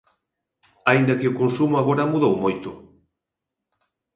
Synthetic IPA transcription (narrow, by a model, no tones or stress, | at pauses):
aind̪ɐkeʊkonsumoaɣoɾɐmuðowmojt̪ʊ